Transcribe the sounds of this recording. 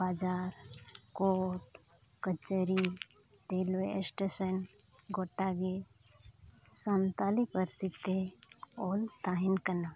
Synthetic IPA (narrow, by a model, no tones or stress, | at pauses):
bad͡ʒaːɾ | koːʈkət͡ʃəɾi | t̪elesʈesənɡoʈːaɡe | sənt̪alipəɾsit̪e | oːlt̪aɦinkəna